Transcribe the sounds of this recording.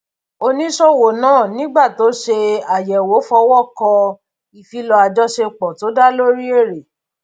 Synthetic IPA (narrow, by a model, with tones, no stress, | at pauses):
o˧nĩ˦ʃɔ˦˨wo˨nãː˦˨nĩ˨˦ɡ͡ba˦˨to˨˦ʃe˧a˨jɛ˨wo˨˦fɔ˧wɔ˦˨kɔ˧ | i˨fi˨˦lɔ˧a˧d͡ʒɔ˦ʃe˧k͡pɔ˨to˨˦da˦lo˦ɾi˦e˦˨ɾe˨